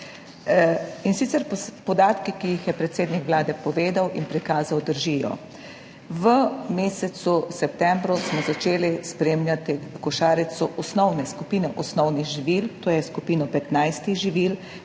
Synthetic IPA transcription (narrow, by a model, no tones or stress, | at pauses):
insit̪sɛɾpɔd̪aːt̪kikijixjɛpɾɛt̪seːd̪nikʋlaːd̪ɛpɔʋeːd̪awʔinpɾikaːzawd̪əɾʒijɔ̰ | ʋəmeːsɛt̪susɛp̚t̪ɛmbɾusmɔzat͡ʃeːlispɾeːmljat̪ikɔʃaːɾɛsɔʔɔsnɔwnɛskupiːnɛʔɔsnɔwniɣʒiʋiːlt̪oːjɛskupiːnɔpɛt̪najst̪iɣʒiʋiːl